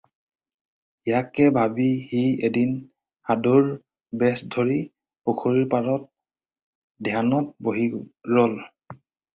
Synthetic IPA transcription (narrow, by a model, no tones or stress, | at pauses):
jakɛbʱabihiedin | haduɹ | bɛsdʱoɹi | pokʰoɹiɹpaɹɔt̚ | dʱjanɔt̚boɦiɹɔl